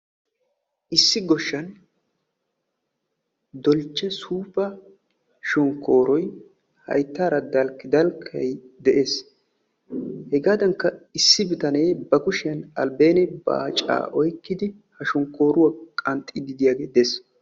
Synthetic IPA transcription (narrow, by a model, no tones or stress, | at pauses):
ʔɪsːɪɡɔʃːɐn | d̪ɔlt͡ʃːɛsuːpɐ | ʃɔŋkːo̞ːɾɔj | hɐ̰jt̪ːaːɾɐd̪ɐlkːɪd̪ɐlkʰːɐjd̪ɛʔeːs | hɛɡaːd̪ɐŋkːɐɪsːɪbɪt̪ɐnejbɐkʊʃɪɐnɐ̰lbeːnɛbɐ̰t͡ʃʼa̰ːʔɔjkːɪd̪ɪ | hɐʃɔŋkːo̞ːɾʊwɐkʼɐnt̪ʼːɪd̪ɪd̪ɪjaːɡeːd̪es